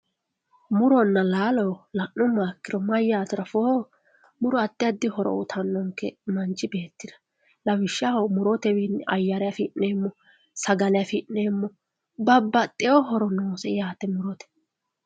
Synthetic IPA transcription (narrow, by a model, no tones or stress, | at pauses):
mʊɾɔnːɐlaːlɔwlɐʔːʊmaːkːɪɾɔmɐjːat̪ɪɾɐfo | mʊɾɔɐt̪ːɪjɐd̪ːɪhɔɾɔ̰ʊt̪ʰɐnːɔŋkːɛmɐnt͡ʃːɪbe̞ːt̪ːɪd̪ɐ̥ | lɐwɪʃːamʊɾɔt̪ɛwinɐ̰jːɐɾɐjafɪʔeːmːɔ | sɐɡɐlɐjafɪnːeːmːɔ | bɐbːɐt̪ʼɪɔɦɔɾɔnoːsɛjaːt̪ɛmʊɾɔt̪ɛ̥